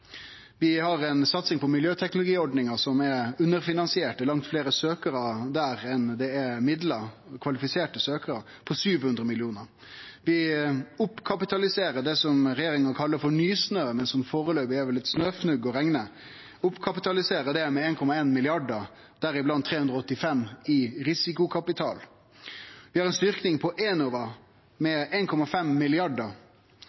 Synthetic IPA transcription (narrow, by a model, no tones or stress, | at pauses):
ʋɪhɑɾɛnsɑt̪sɪŋpʰɔmɪljøːt̪ʰɛknʊlʊɡiːɔɖnɪŋɑsɔmɛʉnːəɾfɪnɑnsɪeːʈəlɑŋt̪fleːɾəsøːkəɾɑd̪æːɾɛnd̪ɛɛmɪd̪lə | kʰʋɑlɪfɪseːʈəsøːkəɾə | pʰɔsyːʋhʉnd̪ɾəmɪlɪuːnəɾ | ʋɪʊpːkʰɑpɪt̪ɑlɪseːɾəɖɛsɔmɾɛjeːɾɪŋɑkʰɑlːəfɔɳyːsnøːmɛnsɔmfoːɾəløːbʋɪæʋɛlːɪt̪snøːfnʉɡːɔɾɛŋnə | ʊpːkʰɑpɪt̪ɑlɪseːɾəɖɛmɛeːnkʰɔmɑeːnmɪlɪɑɖəɾ | d̪̥æɾɪblɑnt̪ʰːɾeːhʉnd̪ɾɔɔt̪ːɪfɛmːɪɾɪsɪkʊkʰɑpɪt̪ʰɑ̰ːl | ʋɪhɑɾɛnst̪ʏɾknɪŋpʰɔʔeːnɔʋə | mɛeːnkʰɔmɑfɛmːɪlɪɑɖəɾ